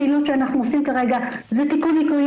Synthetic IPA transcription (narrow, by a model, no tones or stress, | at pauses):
ilutʃeanaχnuosimkaʁe̞ɡazɛtikunːikuj